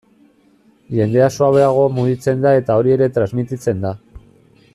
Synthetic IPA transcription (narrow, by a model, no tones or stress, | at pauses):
ʝe̞nd̪e̞asoaβe̞aɣ̞o̞muɣit͡se̞nd̪ae̞t̪ao̞ɾie̞ɾe̞t̪ɾazmit̪it͡se̞nd̪a